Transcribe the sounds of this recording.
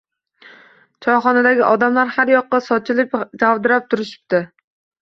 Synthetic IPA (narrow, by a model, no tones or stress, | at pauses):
t͡ʃʰɒχɒnad̪aɡʲiʔɒd̪amlaɾhaɾjɒqːɑsɒt͡ʃʰɪlɪpd͡ʒawd̪ɪɾap̚t̪ʰʊɾɪʃɪ̥p̚t̪ʰɪ